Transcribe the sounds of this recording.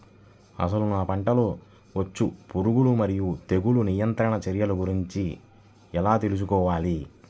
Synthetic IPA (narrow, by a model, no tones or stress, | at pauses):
ɐ̰s̬ɐlunaːpɐɳʈɐlo̞ː | ʋɐt͡ʃːupuɾuɡulumɐɾijut̪e̞ɡulunijɐnt̪ɾɐɳɐt͡ʃɐɾjɐluɡuɾiɲt͡ʃi | ɛlaːt̪e̞lus̬ukɔːʋaːli